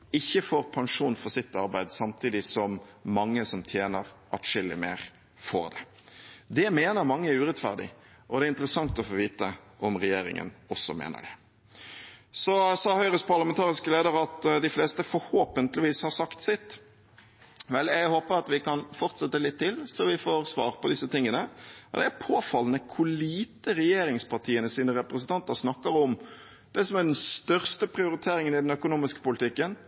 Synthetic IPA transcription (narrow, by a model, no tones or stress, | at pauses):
ɪçːəfoːɾpʰɑŋʂuːnfɔɾsɪt̪ːɑɾbæɪd̪sɑmt̪ʰiːd̪ɪsɔmːɑŋːəsɔmt̪ʰjeːnəɾʔɑʈ̪ʂɪlːɪ̰mḛːʁ | fo̰ːɾd̪ɛd̪ɛmeːnəɾmɑŋːəæɾʉːʁɛt̪fæ̰ʁd̪ɪ̰ | ʔɔd̪ɛæɾɪnt̪əɾəsɑŋt̪ɔfoːʋiːt̪əʔɔmʁɛjeːɾɪ̰ŋə̰nɔsːɔ̰mḛːnə̰ɖɛ | sɔsɑːhœʏɾəspʰɑʁləmɛnt̪ʰɑːʁɪskəleːd̪əɾɑt̪d̪ɪfleːst̪əfɔɾhoːpənt̪lɪʋiːshɑɾsɑkt̪sɪt̪ː | ʋɛlɛɡhoːpəɾɑt̪ʋɪkɑnfɔʁt̪sɛt̪ːəlɪt̪ʰːɪlsɔʋɪfoːɾsʋɑ̰ːɾpɔd̪ɪsːət̪ɪŋːənəɔ̰d̪ɛæɾpʰoːfɑlːənəkʰʊliːt̪əɾɛjeːɾɪŋspʰɑʈʰiːənəsiːnəɾɛpɾəsənt̪ɑnt̪əɾsnɑkːəɾɔm | d̪̥ɛsɔmæʁɖɛnst̪œʁst̪əpʰɾɪʊɾɪt̪ʰeːɾɪŋənɪd̪ɛnœkʊnuːmɪskə̥pʊlt̪ʰɪkːən